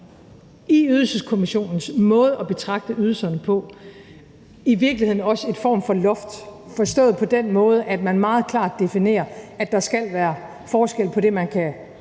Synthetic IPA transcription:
iyðˠl̩səskʰo̝miɕo̝̰ːnn̩smɔ̽ːð̞ˠəɒ̽b̥e̝t͡sʰʁɑ̈ɡ̥̚d̥əyð̞ˠlsɐnəpʰɒ̽ | iʋiɐɡ̥lihe̝ð̞̰ˠn̩ɒ̽səe̝nfɒ̰ːmfɒ̽lɔ̽fd̥fɒ̽sd̥ɔ̰ːðˠpʰɒ̽d̥enmɔ̽ːð̞ˠəʔæd̥mænmɑ̈ːð̞̩ˠkʰlɑ̰̈ːd̥ːe̝fine̝̰ːɐæd̥ɑ̈sɡ̥æl̰ʋæːɐ | fɒːsɡ̥el̰pʰɒ̽ɾ̥e̝mænkʰæ

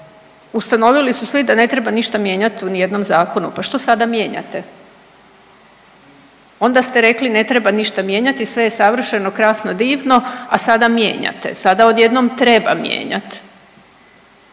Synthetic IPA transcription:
ust̪ano̞ʋilisusʋid̪ane̞t̪ɾe̞baniʃt̪amje̞ːɲat̪unije̞d̪no̞mzaːko̞nupaʃt̪o̞sad̪amje̞ːɲa̰t̪e | o̞nd̪ast̪eɾe̞kline̞t̪ɾebaniʃt̪amje̞ːɲat̪isʋe̞jesaʋr̩ʃe̞no̞kɾaːsno̞d̪iːʋno̞asad̪amjḛːɲa̰t̪ḛsad̪aod̪je̞d̪nomt̪ɾe̞ba̰mjḛːɲa̰t̪

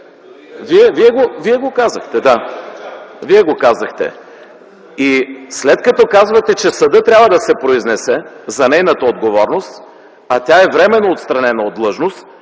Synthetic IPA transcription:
viɛviɛɡoviɛɡokazəxt̪ɛd̪a | viɛɡokazɐxt̪ɛ̰ | islɛt̪̚kɐt̪ɔkazvɐt̪ɛt͡ʃɛsɐd̪ɤt̪ɾʲabvəd̪ɐsɛpɾoiznɛsɛzɐnɛjnət̪əod̪ɡovɔɾnost̪ | ɐt̪ʲaɛvɾɛmɛnːoot̪st̪ɾɐnɛnəod̪lˠɤʒnost̪

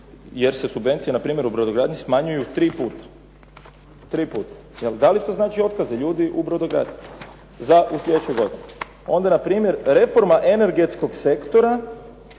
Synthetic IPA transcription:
jeɾse̞subʋe̞nt̪sienapɾiːmʲje̞ɾubɾod̪oɡɾaːd̪ɲismaɲujut̪ɾiːpuːt̪ḁ | t̪ɾiːpuːt̪ḁ | jeld̪alit̪o̞znaːt͡ʃio̞t̪kazeʎuːd̪iʔubɾod̪oɡɾa̰ːd̪ɲi | zaʔuslʎʲe̞d̪et͡ʃojɡo̞d̪ine | o̞nd̪anapɾiːmje̞ɾɾe̞fo̞ɾmaʔene̞ɾɡe̞t̪sko̞ɡse̞kt̪o̞ɾa

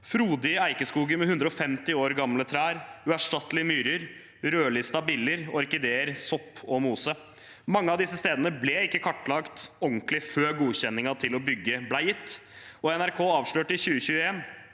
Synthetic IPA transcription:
fɾuːd̪ɪəæɪkəskuːɡəɾmɛhʉnd̪ɾəɔfɛmt̪ɪoːɾɡɑmlət̪ʰɾæːɾʉæʂʈɑt̪ːlɪəmyːɾəɾ | ɾøːlɪst̪ɑbiːləɾɔɾkɪd̪eːəɾsɔpʰːɔmuːsə | mɑŋːəɑʋd̪ɪsːəst̪eːd̪ənəblɛɪkːəkʰɑʈːlɑkt̪ɔŋklɪføːɾɡuːçɛnːɪŋɑt̪ʰɪlɔbʏɡːəblæɪjɪt̪ːɔɛnæɾkʰoːɑːʋʂɭøːʈəɪçʉːəçʉːəɛn

